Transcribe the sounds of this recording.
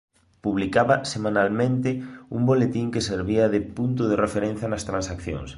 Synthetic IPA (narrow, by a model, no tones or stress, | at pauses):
puβlikaβɐsemanalmẽnt̪ɪṵmbolet̪iŋkeseɾβiɐðɪpunt̪ʊðɪrefeɾen̟θjɐnɐst̪ɾãnsakθjõ̰ŋs